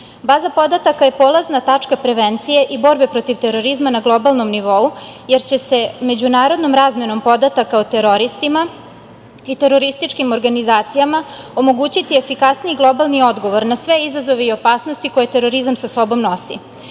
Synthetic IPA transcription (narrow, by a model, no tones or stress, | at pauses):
bazapo̞d̪at̪akaje̞poːlaznat̪at͡ʂkapɾe̞ʋent̪sije̞ʔibo̞ɾbe̞pɾo̞t̪iʋt̪eɾo̞ɾizmanaɡlˠo̞balˠno̞mniʋo̞uje̞ɾt͡ɕe̞se̞me̞d͡ʑunaːɾo̞d̪no̞mɾaːzmjeno̞mpo̞d̪at̪akaot̪e̞ɾo̞ɾist̪ima | it̪e̞ɾo̞ɾist̪it͡ʂkimo̞ɾɡanizaːt̪sijama | o̞mo̞ɡuːt͡ɕit̪iefikasnijiɡlˠo̞balˠnio̞d̪ɡo̞ʋo̞ɾnasʋe̞izazo̞ʋeio̞paːsnost̪iko̞jet̪e̞ɾoɾizamsaso̞bo̞mnosḭ